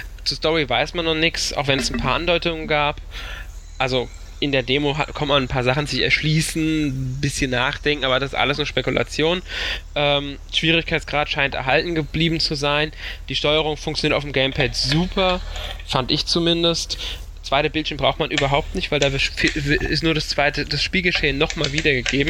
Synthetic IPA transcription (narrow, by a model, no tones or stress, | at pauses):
t͡suːɐstɔʁivaɪsmanːɔχnɪçsʔa̰ʊxv̥ɛnɛsn̩pʰaːɐʔandɔʏtʊŋənɡaːp | ʔalzo | ʔɪndeːɐdeːmoɦa̰kʰɔmmannpʰaːɐzaχn̩zɪçɛ̰ɐʃliːsn̩bɪsçənːaːχd̥ɛŋkŋ̩ʔaːbɐdasɪ̥stʔa̰ləsnʊʃpekulʔa̰t͡sjoːnʔɛːm | ʃv̥iːʁ̞ɪçkʰaɪtt͡sɡ̥ʁaːtʃaɪntɛɐɦaltn̩ɡəb̥liːbm̩t͡suzaɪnd̥iːʃtɔʏəʁʊŋfʊŋkt͡sjoniːɐtʔaʊfm̩ɡɛɪmpʰɛtzuːpʰɐfantɪçt͡sumɪndəst | t͡sv̥aɪtəbɪlʃəmbʁaʊxtmanʔyːbɐɦaʊp̚tnɪçtv̥aɪldaːvɪfivɪ̰stnuːɐɾast͡sv̥aɪtəd̥asʃpiːlɡəʃeːənːɔχmaːlviːdɐɡəɡeːbm̩